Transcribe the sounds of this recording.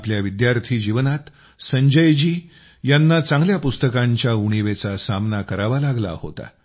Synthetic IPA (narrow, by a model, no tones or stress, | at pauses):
pljaʋid̪jaɾt̪ʰiːd͡ʑiʋnat̪ | səɲd͡ʑəjd͡ʑiː | janːat͡sãŋɡljapust̪əkaɲt͡ɕjauɽ̃iʋet͡sasamnakəɾaʋalaɡla̰ho̰t̪a̰